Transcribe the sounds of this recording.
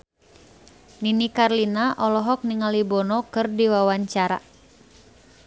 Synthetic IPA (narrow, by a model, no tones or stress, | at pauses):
ninikarlinaʔɔlɔɦɔk̚niŋalibɔnɔkɨrdiwawaɲt͡ʃaɾa̰